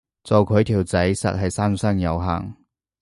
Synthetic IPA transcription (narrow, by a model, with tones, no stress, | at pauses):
t͡sɔ˨˩wkʰɵ˨˧ɥt̪ʰiː˨˩wt͡sɐ˨˥jsɐ̰˨t̚hɐ˨jsaː˥nsɐ˥ŋjɐ˨˧wɦa̰ː˨˩ŋ